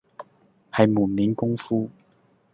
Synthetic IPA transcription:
hɐ˨jmuː˨˩nmiː˨˥nkʊ˥ŋfuː˥

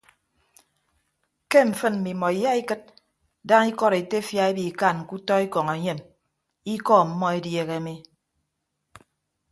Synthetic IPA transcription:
ke˦m̩˨fɨ˦nm̩˨mi˨mɔ˨i˨ja˦i˦kɨ˦t̚ | da˦ŋi˦kɔ˦ɾe˨te˦fja˦e˦bi˨ka˦˨n̩˨ku˦tɔ˦i˦kɔ˨ŋe˨˦ɲe˦m | i˦kɔ˦˨m̩˦mːɔ˦e˦dje˦ɣe˨˦mi˦

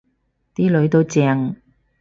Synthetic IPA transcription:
t̪iː˥lɵ˨˥ɥt̪o˧wt͡sɛː˧ŋ

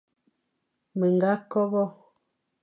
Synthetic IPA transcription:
mə˨ŋ˨ɡa˨˦kɔ˦bɔ˦

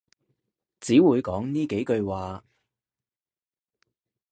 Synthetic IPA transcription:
t͡siː˨˥wuː˨˧jkɔː˨˥ŋniː˥ke˨˥jkɵ˧ɥwaː˨˧

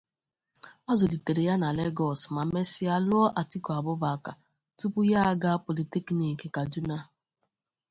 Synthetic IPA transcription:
ɔ˦zɔ˨di˨te˨ɾe˨ja˦na˨le˦ɡɔ˨sma˨me˦sɪ˦a˦lʊ˦ɔ˦ʔa˨ti˦kɔ˨a˨bʊ˦ba˨ka˨ | tu˦pu˦ja˦a˦ɡa˦po˨li˨ti˦kni˨ke˨ka˨du˦na˦

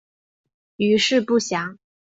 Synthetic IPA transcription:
y˧˥ʂɻ̩˥˧pu˥˩ɕjɑ˨˧˥ŋ

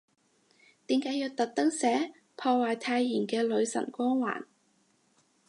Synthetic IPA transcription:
t̪iː˨˥mkaː˨˥jiː˧wt̪ɐ˨t̚t̪ɐ˥wsɛː˨˥ | pʰɔː˧waː˨jt̪ʰaː˧jːiː˨˩nkɛː˧lɵ˨˧ɥsɐ̰˨˩nkʷɔː˥ŋwa̰ː˨˩n

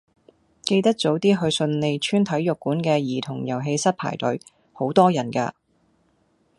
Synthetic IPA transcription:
ke˧jt̪ɐ˥k̚t͡so˨˥wt̪iː˥ɦɵ˧ɥsɵ˧nle˨˧jt͡ʃʰyː˥nt̪ʰɐ˨˥jːʊ˨˩kːuː˨˥nkɛː˧jiː˨˩t̪ʰʊ˨˩ŋjɐ˨˩wɦe˧jsɐ˥t̚pʰa̰ː˨˩jt̪ɵ˨˥ɥ | ho˨˥wt̪ɔː˥jɐ˨˩nka̰ː˧

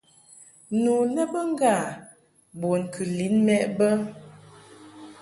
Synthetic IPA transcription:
nu˨nɛ˦bə˦ŋ˦ɡa˦˨ | bɔ˨n˨kʰɨ˨li˨˦nmɛ˦ʔbə˦

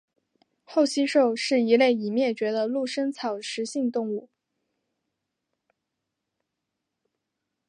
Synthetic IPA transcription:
xo˥˩ʊɕi˥ʂo˥˧ʊʂɻ̩˥˩i˧˥le˥˩ɪi˨˩mjɛ˥˩t͡ɕɥɛ˧˥d̪ə˧lu˥˩ʂə˥ŋt͡sʰɑ˨˩ʊʂɻ̩˧˥ɕi˥˧ŋt̪ʊ˥˧ŋu˥˩

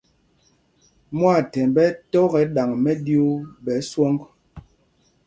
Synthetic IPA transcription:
mwa˦˨tɛ˨mbɛ˦tɔ˦ɣɛ˨˦ɗa˨ŋmɛ˦di˦o˦bɛ˨˦swɔ˦ŋɡ

